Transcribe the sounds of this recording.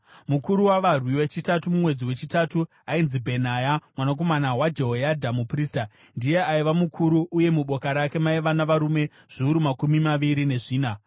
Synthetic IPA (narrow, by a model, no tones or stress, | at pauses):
mukuɾuwaʋarwiwet͡ʃitatumumwe̞d͡ziwe̞t͡ʃitatu | ainzibʱe̞najamwanak̬o̞manawad͡ʒeɦojadʱamupriːsta | ndije̞aiʋamukʰuɾuʔːje̞muɓo̞kaɾake̞maiʋanaʋaɾume̞ | ʐ̥iuɾumakumimaʋiɾine̞ʐiːna